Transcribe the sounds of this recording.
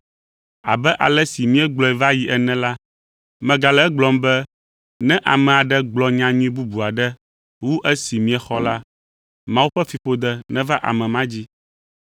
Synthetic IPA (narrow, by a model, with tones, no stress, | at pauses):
a̰˨bɛ˦ʔa̰˨lɛ˦si˨mĩ˦ɛ˦ɡ͡blɔ˦ɛ˨va˦ji˨ʔɛ˨nɛ̃˦la˦ | mɛ̃˨ɡa˨lɛ˦ɛ˦ɡ͡blɔ˨mbɛ˦ | nɛ̃˦ʔa˨mɛ̃˨a˨ɖɛ˦ɡ͡blɔ˨ɲã˨ɲĩ˦bu˦bu˨a˨ɖɛ˦ | wu˦ʔɛ˦si˨mĩ˨ɛ˨xɔ˦la˦ | mã˦wu˦ɸɛ˦fi˨ɸo˦d̪ɛ˦nɛ̃˦va˦ʔa̰˨mɛ̃˨mã˦d͡ʑi˦